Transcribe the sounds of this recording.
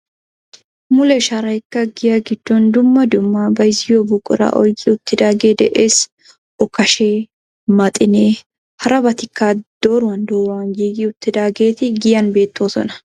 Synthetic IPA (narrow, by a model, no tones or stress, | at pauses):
mʊlɛʃɐɾɐjkːɐɡɪjɐɡɪd̪̥ːɔnd̪ʊmːɐd̪ʊmːɐbɐjzɪjobʊkʼʊɾɐ̰ʔɔjkʼɪʊt̪ːɪd̪aːɡe̞ːd̪ɛʔeːs | ɔkːɐʃeː | mɐt̪ʼɪneː | hɐɾɐbɐt̪ɪkːad̪̥o̞ːɾʊwɐnd̪oːwaːnjiːɡɪʊt̪ːɪd̪aːɡe̞ːt̪ɪɡɪjɐnbe̞ːt̪ːoːsɔ̰nɐ̥